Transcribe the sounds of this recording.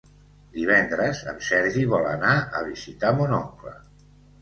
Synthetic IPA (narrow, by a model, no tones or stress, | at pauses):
d̪iβ̞ɛnd̪ɾəzə̰msɛɾʒiβ̞ɔlə̰naə̰βizit̪amunɔŋklə̰